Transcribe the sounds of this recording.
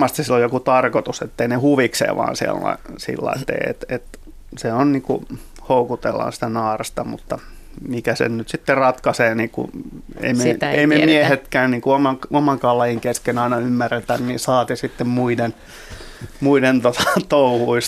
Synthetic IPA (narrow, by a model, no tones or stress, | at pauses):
ɑst̪issilːojokut̪ɑrkot̪uset̪ːeinehuʋiksḛːʋɑ̰ːnsiḛlːɑ̰isḭlːɑ̰ḭst̪ːḛḛt̪et̪ | seonniːŋkṵ | houkut̪ḛlːɑ̰ːnsi̥t̪ænɑːrest̪ɑmṵt̪ːɑ | mikæsḛnnyt̪sit̪ːerɑt̪kɑseːniːkṵḛimeeimemiehet̪kæːnniːŋkuomɑkomɑŋkɑlːɑjiŋkeskenɑinɑymːærːet̪ænnisɑːt̪esit̪ːemmuiden | muident̪ot̪ɑ̥t̪ouhuis